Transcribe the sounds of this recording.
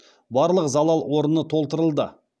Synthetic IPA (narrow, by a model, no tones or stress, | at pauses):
bɑɾlˠəqzɑlˠɑlˠwo̞ɾənət̪ʰo̞lˠt̪əɾəlˠd̪ə